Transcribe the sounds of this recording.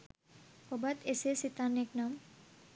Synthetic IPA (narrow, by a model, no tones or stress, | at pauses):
obat̪esesit̪aneknam